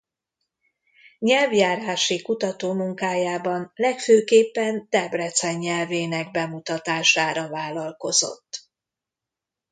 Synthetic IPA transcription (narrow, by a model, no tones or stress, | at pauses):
ɲɛlvjaːɾaːʃikut̪ɒt̪oːmuŋkaːjaːbɒnlɛkføːkeːpːɛnt̪ɛbrɛt̪sɛɲːɛlveːnɛɡ̚bɛmut̪ɒt̪aːʃaːɾɒvaːlɒlko̞zo̞̰t̪ː